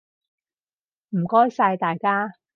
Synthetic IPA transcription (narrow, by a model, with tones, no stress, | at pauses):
m̩˨˩kɔː˥jsaː˧jt̪aː˨jkaː˥